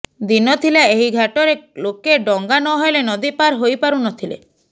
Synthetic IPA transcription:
d̪inɔt̪ʰilaeɦiɡʱaʈɔɾelokeɖɔŋɡanɔɦɔjlenɔd̪ipaɾɦojpaɾunɔt̪ʰilḛ

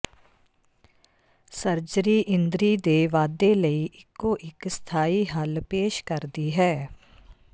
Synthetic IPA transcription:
sɐɾd͡ʒɾiʔɪ̃nd̪ɾid̪eːʋaːd̪eləiʔɪkːoʔɪkst̪ʰaːiɦəlpeːʃkəɾd̪iɦɛː

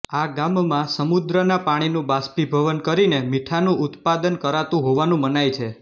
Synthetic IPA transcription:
aɡammãsəmud̪ɾənapaɽ̃inũbaspibʱəʋənkəɾinemiʈʰanũʔʊt̪pad̪ənkəɾat̪ũɦoʋanũmənajt͡ʃʰe

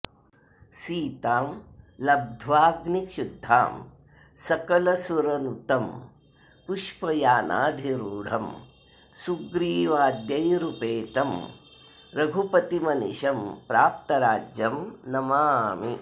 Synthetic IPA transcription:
siːt̪aːmlɐb̚d̪ʱʋaːɡnikʃud̪ʱːa̰ːm | sɐkɐlɐsuɾɐnut̪ɐm | puʃpɐjaːna̰ːd̪ʱiɾuːɽ̤ʱɐm | suɡɾiːʋaːd̪jɐjɾupeːt̪ɐm | ɾɐɡʱupɐt̪imɐnḭʃɐmpɾaːp̚t̪ɐɾaːd͡ʒjɐmnɐmaːmi

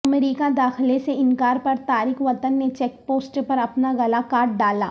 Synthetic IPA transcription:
ɐmɾiːkad̪aːxleseɪnkaːɾpɐɾt̪aːɾiːxʋɐt̪ənːet͡ʃɛːk̚poːsʈpɐɾɐpnaɣɐlakaːɾʈ̚ɖaːlaː

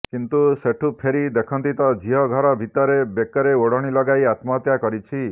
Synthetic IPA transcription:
kint̪useʈʰupʰeɾid̪ekʰɔnt̪it̪ɔd͡ʒʱiɦɔɡʱɔɾɔbʱit̪ɔɾebekɔɾeoɽɔɽ̃ilɔɡajat̪mɔt̪jakɔɾit͡ʃʰi

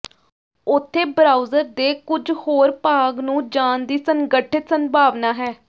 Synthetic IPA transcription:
ʊt̪ʰːeːbɾaːuzəɾd̪eːkʊd͡ʒhoːɾpaːɡnũːd͡ʒaːnd̪iːsəŋɡəʈʰɪt̪sənbʱaːʋnaːɦɛː

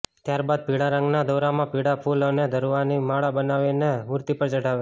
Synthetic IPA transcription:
t̪jaɾbad̪̚piɽaɾə̃ŋɡnad̪əɾamãpiɽapʰuləned̪ʱəɾʋanimaɭabənaʋenemuɾt̪ipəɾd͡ʒəɽaʋe

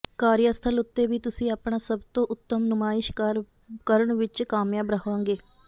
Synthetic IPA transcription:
kaːɾjəst̪ʰəlʊt̪ːeːbiːt̪ʊsĩːapɳaːsəbt̪õːʔʊt̪ːəmnʊmaːɪʃ | kəɾəɳʋɪt͡ʃkaːmjãːbɾəɦʋãːŋɡeː

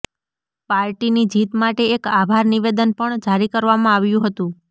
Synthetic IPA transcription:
paɾʈinid͡ʒit̪maʈeːkabʱaɾniʋed̪ənpəɳd͡ʒaɾikəɾʋamãaʋjũɦət̪ũ

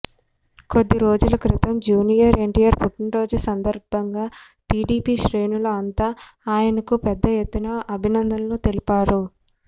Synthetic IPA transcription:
ko̞d̪ːiɾo̞ːd͡ʒulɐkɾit̪ɐmd͡ʒuːnijɐɾe̞ɳʈijɐɾpuʈːinɾo̞ːd͡ʒusɐnd̪ɐɾbʱɐŋɡaː | ʈiːɖiːpiːʃɾe̞ːnuluɐnt̪aːaːjɐnɐkupɛd̪ːɐjet̪ːunɐʔɐbʱinɐnd̪ɐnloːt̪e̞lipaːɾu

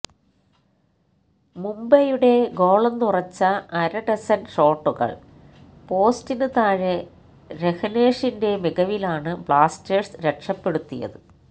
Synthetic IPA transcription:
mumbɐjuɽe̞ɡo̞ːɭɐnːurɐt͡ɕːɐɐɾɐɖɐsɐnʂo̞ːʈːuɣɐ̰ɭ | po̞ːstinɨt̪aːɻe | ɾehɐneːʂinde̞miɣɐʋilaːɳɨbɭaːsteːsɾekʂɐpːeɽut̪ːijɐ̰ðɨ

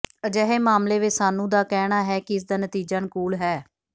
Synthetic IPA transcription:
əd͡ʒɛːɦeːmaːmleːʋɪsaːnũːd̪aːkɛːɽaːɦɛːkɪɪs̬d̪aːnət̪iːd͡ʒaːnɪkuːlɦɛː

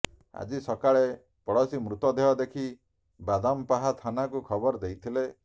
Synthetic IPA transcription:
a̰d͡ʒisɔkaɭe | pɔɽɔsimɾut̪ɔd̪eɦɔd̪ekʰi | bad̪ɔmpaɦat̪ʰanakukʰɔbɔɾd̪ejt̪ʰile

